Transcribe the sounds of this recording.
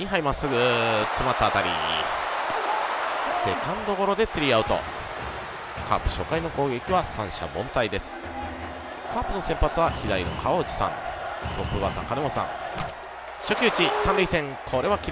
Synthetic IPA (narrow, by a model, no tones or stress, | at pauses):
ĩɦaimasɨɡɯt͡sɨmat̪ːaːt̪aɾʲḭ | se̞̰kãnd̪o̞ɡo̞ɾo̞d̪e̞sɨɾʲiaɯ̟t̪o̰ | kʰa̰ːpɯ̟̥ɕo̞kaino̞ko̞ːɡe̞kʲiβasãɰ̃ɕa̰bõ̞nt̪aid̪e̞sɨ̥ | kaːpɯ̟no̞sẽ̞mpat͡sɨβaçid̪aino̰kʰaoɯ̟t͡ɕi̥sã̰ŋt̪opːɯβat̪ã̰ŋkanemosã̰ŋ | ɕo̞kʲɨːt͡ɕisãnɾʲiisẽ̞ŋkʰo̞ɾe̞β̞akʲi